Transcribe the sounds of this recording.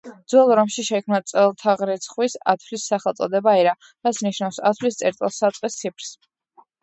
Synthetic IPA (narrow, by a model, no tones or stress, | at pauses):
d̪zwɛlˠɔɾɔmʃiʃɛkʰmnat̪sʼɛlˠt̪ʰaʁɾɛt̪sʰχwisa̰t̪ʰflisːaχɛlˠt̪sʼɔ̰d̪ɛbaiɾa | ɾat̪sʰniʃnafsa̰t̪ʰvlist̪sʼɛɾt̪ʼilˠsat̪sʼqʼist̪sʰipʰɾs